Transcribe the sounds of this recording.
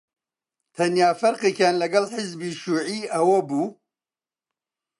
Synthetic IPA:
t̪ʰɐnjaːfɐɾqeːkjaːnlɐɡɐlħɪzbiːʃuːʕiːʔɐwɐbuː

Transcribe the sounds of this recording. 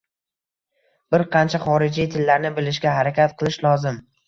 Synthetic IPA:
b̥ɪɾqʰɑnt͡ʃʰaχɒɾɪd͡ʒijt̪ʰɪlːaɾnɪbɪlɪʃɡʲaɦaɾakʲat̪̚qʰɨlˠɪʃlˠɒzɪm

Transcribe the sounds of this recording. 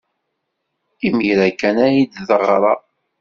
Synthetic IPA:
imijɾækːænæjid̪ðəʁɾˤɑ

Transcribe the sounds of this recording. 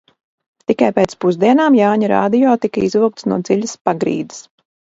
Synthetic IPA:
t̪ikajpeːt̪spuzd̪iɛnaːmjaːɲaɾa̰ːd̪ijɔːt̪ikɐizuk̚t̪snuɔd̪ziʎʲəspaɡɾḭːd̪i̥s

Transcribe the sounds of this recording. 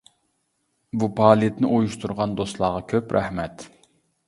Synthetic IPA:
bupʰɑːlˠijet̪nɪʔojuʃt̪ʰuɾʁɑnd̪ost̪lˠɑːʁɑkʲʰøpɾʔæ̰hmɛt̪

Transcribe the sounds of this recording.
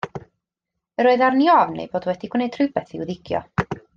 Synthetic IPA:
əɾoːɨðarniɔvnḛjboːdwɛd̥iɡ̥wnejdʰrɨbɛθiwðɪɡ̥jɔ̰

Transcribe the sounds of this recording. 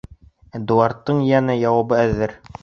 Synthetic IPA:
d̪uɑɾt̪ːɤɴjænæjɑwɑbɤæðɘɾ

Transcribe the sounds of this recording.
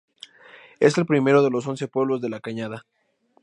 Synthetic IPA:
e̞se̞lpɾime̞ɾo̞ð̞e̞lo̞s̬o̞nse̞pwe̞βlo̞zðe̞lakaɲaða

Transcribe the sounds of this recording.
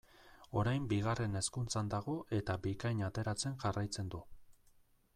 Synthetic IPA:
o̞ɾajmbiɣ̞are̞ne̞skunt͡sand̪aɣ̞o̞ʔe̞t̪abikajɲat̪e̞ɾat͡se̞nʝarajt͡se̞nd̪u

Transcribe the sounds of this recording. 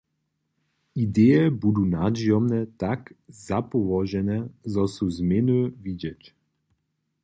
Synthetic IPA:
id̪eːjɛbud̪unad͡ʒiɔmnɛt̪akzapɔvɔʒɛnɛzɔsuzmenøvidɛt͡ʃ

